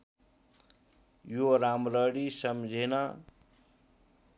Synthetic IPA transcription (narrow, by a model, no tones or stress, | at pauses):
joɾamɾʌɽisʌmd͡zʱenʌ